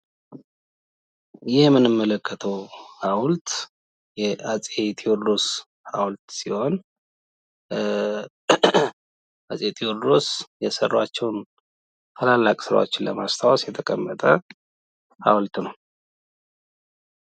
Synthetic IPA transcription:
jɪhmːɨnɨmːələkʰːət̪ʰəwhawlt̪ | jɛat͡sʼet̪ʰioɾd̪os | hawlt̪siho̞n | ʔasʼet̪ʰʼioɾd̪osjɛsərːat͡ʃːɛwn | t̪ʰalalːakʼsɨɾa̰wo̰t͡ʃːɪnləmast̪ʰawasjɛt̪ʰəkʼəmːət̪ʼʰə | ha̰wlt̪nəw

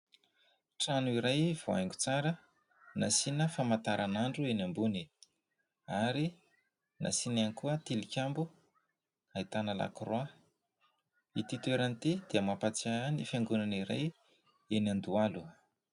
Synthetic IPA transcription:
ʈ͡ʂanuiɾajv̥oa̰jŋɡut͡saɾə | nasinəfamat̪aɾʔanaɳɖ͡ʐuenambuni | aɾi | nʔa̰sinanikuət̪ilikʲambu | ait̪anala̰krwa | it̪it̪ueɾanit̪ed̪iəmapat͡saanifaŋɡunaniɾa̰j | enand̪ualu

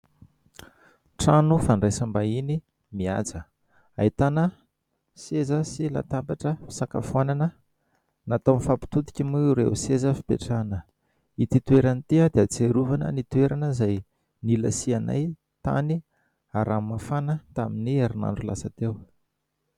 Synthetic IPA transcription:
ʈ͡ʂanufaɳɖ͡ʐajsambaini | mia̰d͡zə | ait̪anə | sezəsila̰t̪apaʈ͡ʂəfi̥saka̰fananə | nat̪onifapi̥t̪ut̪i̥kʲimuuɾḛusezəfi̥pḛʈ͡ʂanə | it̪it̪ueɾanit̪iəd̪eat͡seɾuvanə̰nit̪ueɾʔanəzaj | nilasiana̰j | t̪a̰ni | aɾamːafanət̪aminiaɾina̰ɳɖ͡ʐulasat̪ew

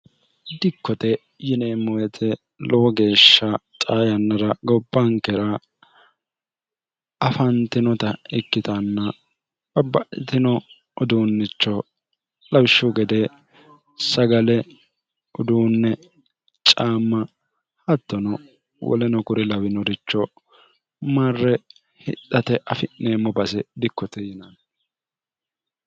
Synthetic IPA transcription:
d̪ɪkːɔt̪ɛ | jɪneːmːɔwɛt̪ʰɛ | lɔwɔɡe̞ːʃːɐtʼaːjɐnːɐɾɐɡɔbːɐŋkɛɾɐ | ɐfɐnt̪ɪnɔt̪ɐɪkːɪt̪ɐnːɐ | bɐbːɐʔɪt̪ɪnɔ | ɔd̪uːnːɪt͡ʃːɔ | lɐwɪʃːʊɡɛd̪ɛ | sɐɡɐlɛ | ɔd̪uːnːɛ | t͡ʃʼaːmːɐ | hɐt̪ːɔnɔ | wɔ̰lɛnɔkʊɾɛlɐwɪnɔɾɪt͡ʃːɔ | mɐrːɛ | hɪt̪ːɐt̪ɛʔɐfɪʔːeːmːɔbɐsɛd̪ɪkːɔt̪ɛjɪnɐn

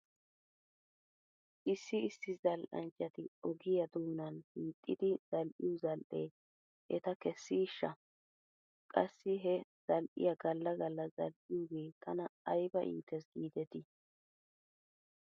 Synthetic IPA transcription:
ʔɪsːɪɪsːɪzɐlʔɐ̰nt͡ʃʼːɐt̪ɪɔɡɪjɐd̪uːnɐnhiːt̪ʼːɪd̪ɪz̥ɐlʔɪjʊzɐlʔḛː | ʔɛ̰t̪ɐkɛsːiːʃːɐ | kʼɐsːɪɦɛz̥ɐlʔɪ̰jɐɡɐlːɐɡɐlːɐzɐ̰lʔɪjuɡe̞ːt̪ʰɐnɐɐjbɐʔɪ̰ːt̪ʰːɛsɡiːd̪ɛt̪ɪ

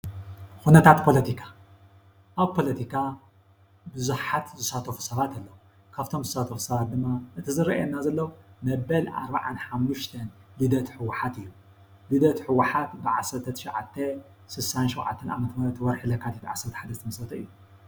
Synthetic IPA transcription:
xunɐt̪ʰat̪pʰo̞lɐt̪ʰikʰa | ʔaβpʰo̞lɐt̪ʰikʰa | bɨzuħat̪zɨsat̪ʰɐfu̥sɐβat̪ʰalːɐwu | kʰaβt̪ʰo̞mzɨsat̪ʰɐfu̥sɐβat̪̚d̪ɨmːaʔɨt̪ʰɨzɨɾɐ̰jɛnːazɐlːɐwumɐbɐlʔa̰ɾbaʕanħamːuʃt̪ʰɐnbɨd̪ɐt̪ħɨwːaħat̪ɨjːu | lid̪ɐt̪ħɨwaħat̪bɨʕasɐɾt̪ʰɐt̪ʰʃʕat̪ʰːɐ | sɨsanʃɛwʕa̰t̪ʰːɐnʔa̰mɐt̪ʰmɐɾɐt̪wɔɾħɨlɐkʰːat̪ʰit̪ʕa̰sːɐɾt̪ħad̪ɐst̪ʰɐmɐsɐt̪ʰɐʔɨ̰jːu

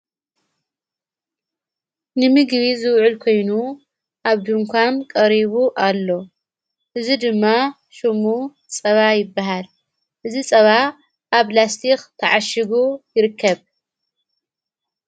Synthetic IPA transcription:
nɨmɨɡβizɨwʕʊlkʰo̞jnu | ʔaβd̪uŋkʷʰamkʼɐɾiβuʔalːo̞ | ʔɨzid̪ɨmːa | ʃɨmu | t͡sʼɐβajɪbːaɦal | ʔɨzit͡sʼɐβa | ʔaβlast̪ʰixt̪ʰɐʕaʃɪɡujɪɾɨkʰːɐβ

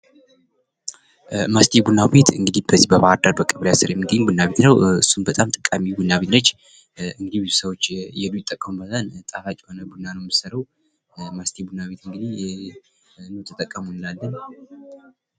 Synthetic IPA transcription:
mast̪ʰʼebunːabe̞t̪ʰɨŋɡɨd̪ihbəzihbəβaaɾd̪aɾbəkʼəβlejasɨɾjɛmːɨɡ̪əɲːubunːabet̪nəwɨsːunbət̪ʼamt̪ʼə̥kʼːamibunːaβet̪lət͡ʃː | ɨŋɡɨd̪iβizusəwot͡ʃːjɛlujɪt̪ʼːəkʼːəmubəzʼant̪ʼalat͡ʃʼiho̞nəbunːanəwɛmɨsəɾəw | mast̪ʰebunːaβe̞t̪ɨŋɡɨd̪ih | nut̪ʰət̪ʼəkʼːəmunɨlalːən

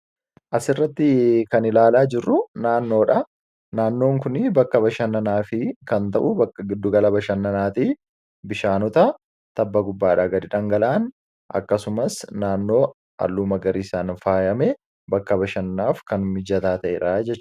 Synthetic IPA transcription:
ʔɐsɪrːɐt̪ːɪkɐnɪlaːlaːd͡ʒɪrːʊnaːnːo̞ːᶑɐ | naːnːo̞ːŋkʊnɪbɐkːɐbɐʃɐnːɐnaːfɪkɐnt̪ɐʔʊbɐkːɐɡɪd̪ːʊɡɐlɐbɐʃɐnːɐnaːt̪i | bɪʃaːnɔt̪ɐ | t̪ɐbːɐɡʊbːaːᶑaːɡɐd̪ɪᶑɐŋɡɐlaːn | ʔɐ̰kːɐsʊmɐsnaːnːo̞ː | ʔɐ̰lːuːmɐɡɐɾiːsaːnfaːjɐmɛ | bɐkːɐbɐʃɐnːaːfkɐnmɪd͡ʒɐt̪aːt̪ɐʔɛᶑad͡ʒɛt͡ʃːt͡ʃː

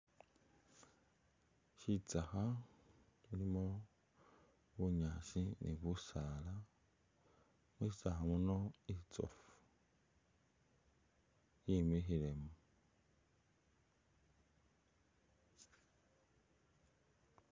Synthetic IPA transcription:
ʃit͡saxa | ulimo | βuɲaʃinʔḛβusala | meʃit͡saxamunoit͡so̰fu̥ | jimiɦiɾemu

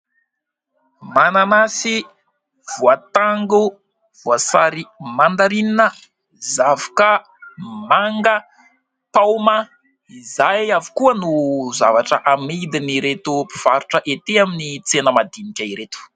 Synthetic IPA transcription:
mananasi | v̥uat̪aŋɡu | v̥uasa̰ɾimand̪aɾininə | zavḁkə | maŋɡə | pawma | izajavi̥kuənuzavaʈ͡ʂəʔamid̪iniɾet̪upi̥v̥aɾuʈ͡ʂəʔet̪eaminit͡senəmad̪inikʲaiɾet̪u̥

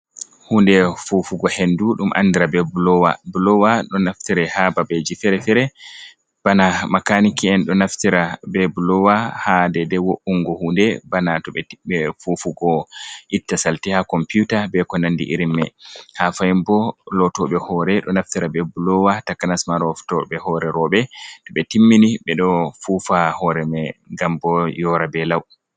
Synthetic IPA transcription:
huːndɛfufuɡɔhenduɗumʔa̰nːdiɾabɛbulɔwa̰bulɔwaɗɔnaftiɾɛhababed͡ʒifɛɾɛfɛɾɛ | b̥anamakanikiɛnɗɔnaftiɾabɛbulɔwahadɛdɛwoʔuŋɡɔhundɛbanatɔɓɛtibɛfufuɡɔʔitːasaltihakɔmpjutabɛkɔnandḭʔiɾimːɛ̰hafajimbɔlɔtɔɓɛhɔɾɛɗɔnaftiɾabɛbulɔwatakːanasmaɾɔftɔɓɛhɔɾɛɾɔɓɛtɔɓɛtimːiniɓɛɗɔfufahɔɾɛmɛɡambɔjɔɾabɛlaw

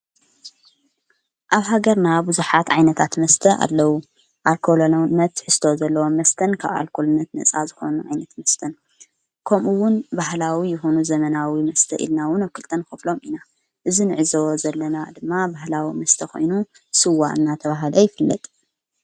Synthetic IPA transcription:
ʔaβɦaɡɐɾnabuzuħat̪ʕajnɐt̪ʰat̪mɐst̪ʰɐʔa̰lːɐwu | ʔalkʰolonːɐt̪ːħɨst̪ʰozɐlːɐwomːɐst̪ʰɐnkʰa̰βa̰lkʰolnːɐt̪nɐ̰t͡sʼazɨxo̞̰nuʕa̰jnɐt̪mɐst̪ʰɐn | kʰɐmʔuwːʊnbahlawijɨxo̞nuzɐmɐnawimɐst̪ʰɐ̰ʔḭlnawʊnaβkʰɨlt̪ʼɐnxɨflo̞mʔina | ʔɨzinɨʕɨzɐwozɐlːɐnad̪ɨmːabahlawimɐst̪ʰɐko̞̰jnu | sɨwa̰ɨ̰nːat̪ʰɐβaɦalɐjɪfɨlːɐ̰t̪ʼ

